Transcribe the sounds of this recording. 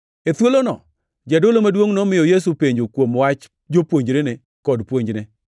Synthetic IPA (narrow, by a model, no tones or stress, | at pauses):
et̪wolonɔ | d͡ʒɛdolomadwoŋnɔmɪjɔjes̬upeɲd͡ʒokwomwat͡ʃ | d͡ʒopwoɲd͡ʒɾene | kɔdpwoɲd͡ʒne